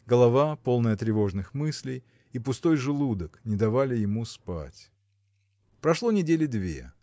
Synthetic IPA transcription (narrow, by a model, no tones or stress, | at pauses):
ɡəlˠɐvapo̞lˠnəjət̪ɾʲɪvo̞ʐnɨxmɨsʲlʲɪj | ipʊst̪o̞jʐɨlˠud̪əknʲɪd̪ɐvalʲɪjɪmuspa̰tʲ | pɾɐʂlˠonʲɪdʲelʲɪd̪vʲḛ